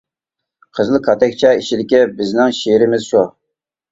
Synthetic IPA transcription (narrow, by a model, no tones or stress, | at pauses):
qʰəzɨlˠkʰɑt̪ʰɛkʲt͡ʃʰɛiʃid̪ɪkʲɪbɪznɪŋʃiɾɪmɪz̥ʃu